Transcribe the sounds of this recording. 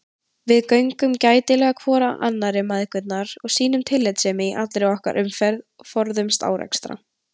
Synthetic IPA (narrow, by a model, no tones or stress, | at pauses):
vɪðkœɥŋkʏmcaːjt̪ɪlɛɣakʰvɔːɾaʔa̰nːaɾɪmaðɪhkʏt̪naɾ̥ɔɣsiːnʏmt̪ʰɪlːɪjt̪sɛːmɪiʔat̪lɾɛɔhka̰ɾʔʏmfɛɾðɔfɔɾðʏmst̪a̰ːwɾɛ̰kst̪ɾa̰